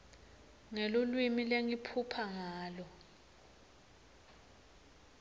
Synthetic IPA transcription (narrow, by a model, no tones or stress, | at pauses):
ŋelulwimileŋipʰupʰaŋaːlɔ